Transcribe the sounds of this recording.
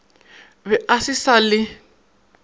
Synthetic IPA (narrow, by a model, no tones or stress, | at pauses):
βɛʔasisalɪ